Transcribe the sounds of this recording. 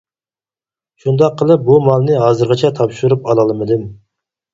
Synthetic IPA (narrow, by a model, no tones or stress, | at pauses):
ʃund̪ɑqʰːəlˠɨp̚bumɑlˠnɨɦɑːzɨɾʁɑt͡ʃʰɛt̪ʰɑpʃuɾupɑlˠɑlˠmɨd̪ɪm